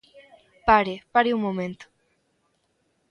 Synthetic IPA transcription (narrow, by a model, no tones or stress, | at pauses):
paɾepaɾeumomẽnt̪o̥